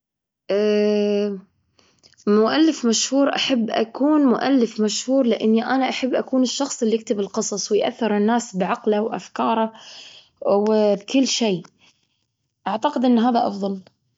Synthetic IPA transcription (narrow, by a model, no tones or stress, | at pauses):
ʔa | mʊʔalːɪfmaʃhuːɾʔa̰ħabːʔa̰kuːnmʊʔa̰lːɪfmaʃhuːɾlɪʔɪnːiʔanaʔaħabːʔakuːnɪʃːɑxsˤɪlːijɪk̚t̪ɪbɪlqɨsˤɑsˤwɪjʔa̰θːɪɾɪnːaːsbʕaqlawʔa̰fkɑːɾˤɑ | wbkɪlːʃeː | ʔaʕt̪aqɪd̪ʔɪnːɦaːðaʔɑ̰fðˤɑl